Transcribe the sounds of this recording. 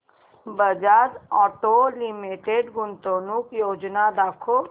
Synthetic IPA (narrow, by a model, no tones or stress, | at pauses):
bəd͡ʒaɾɔːʈolimiʈeɖɡʊnt̪onukjoːd͡ʒnad̪aːkʰo